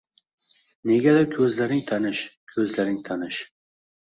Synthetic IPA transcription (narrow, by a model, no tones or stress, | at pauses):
neɡʲɛd̪akʲʰɵzlæɾɪŋt̪ʰanɪʃkʲʰɵzlæɾɪŋt̪ʰanɪʃ